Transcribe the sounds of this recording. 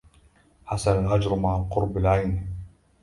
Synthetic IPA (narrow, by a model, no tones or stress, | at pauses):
ħasanalʔad͡ʒɾˤmaʕalqʊɾˤbalʕajn